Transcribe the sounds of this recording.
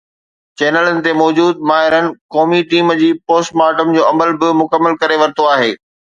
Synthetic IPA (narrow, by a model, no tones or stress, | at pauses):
t͡ɕɛːnələnɪ̆t̪emɔːd͡ʑuːd̪̚maːɦɪɾənɪ̆kɔːmiʈiːmd͡ʑiːpoːsʈmaːʈəmd͡ʑoːɐməlbɪmʊkəmːəlkɐɾeʋɐɾt̪oaːɦeː